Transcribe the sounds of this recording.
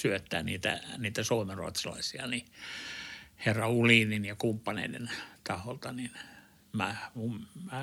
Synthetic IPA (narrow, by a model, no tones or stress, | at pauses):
syøt̪ːæːnḭːt̪æ̰niːt̪æsoːmerrṵo̰t̪sɑlɑ̰isiɑ̰ni | herːɑulininjɑkumpːɑnḛidḛnt̪ɑholt̪ɑnin | mæmummæ